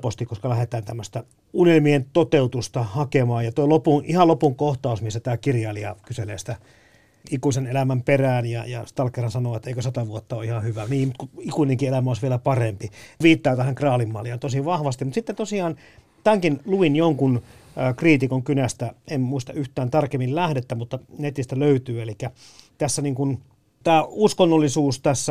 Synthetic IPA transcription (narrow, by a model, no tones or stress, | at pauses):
post̪ikoskɑlæhet̪æːnt̪æmːøst̪æ | unelmient̪ot̪eut̪ust̪ɑhɑkemɑːjɑt̪oilopunʔihɑlopuŋkoht̪ɑusmisːæt̪æːkirjɑliɑ̰kyselḛːsi̥t̪æ | ikuisenelæmæmperæːnjɑ̰jɑ̰st̪ɑlkerːɑnsɑnoʋɑt̪ːeikøsɑt̪ɑʋuot̪ːɑoːihɑhyʋæniːmut̪kuikuineŋkielæmæoˑisʋielæpɑrempiʋiːt̪ːɑːt̪æhæŋkrɑːlimːɑ̰ːliɑnt̪osiʋɑhʋɑst̪imut̪sit̪ːent̪osiɑːn | t̪æŋkinluinjoŋkunːkriːt̪ikoŋkynæst̪æemmuist̪ɑyht̪æːnt̪ɑrkemːillæhdet̪ːæmut̪ːɑnet̪ist̪æløyt̪yːelikːæ | t̪æsːæniːŋkun | t̪æːuskonːolːisuːst̪æsːæ